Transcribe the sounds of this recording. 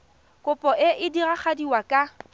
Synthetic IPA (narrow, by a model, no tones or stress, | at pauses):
kʼʊpʼɔʔɪʔɪdiraχadiwakʼa